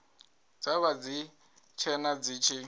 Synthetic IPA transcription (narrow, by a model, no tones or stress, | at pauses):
d͡zaβad͡zi | t͡ʃʰɛnad͡ziːt͡ʃʰi